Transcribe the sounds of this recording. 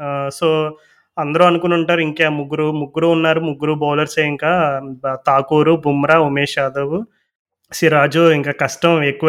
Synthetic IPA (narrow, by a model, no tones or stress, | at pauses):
soː | ɐnd̪ɐɾuɐnukunuɳʈaːɾuiŋkemuɡːuɾumuɡːuɾuːnːaːɾumuɡːuɾubɔːlɐɾseːiŋkaːt̪aːkuːɾubʱumɐɾaːumeːʃaːd̪ɐʋu | ʃiɾaːd͡ʒuiŋkaːkɐʂʈɐmekːuʋ